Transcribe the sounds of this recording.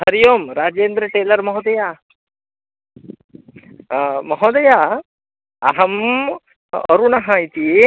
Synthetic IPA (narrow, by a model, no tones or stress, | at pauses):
hɐɾijomɾaːd͡ʒeːnd̪ɾəʈeːlɐɾmɐɦod̪ɐja | mɔɦod̪ɐja | ɐ̰ɦɐm | ɐ̰ɾunaɦãit̪ie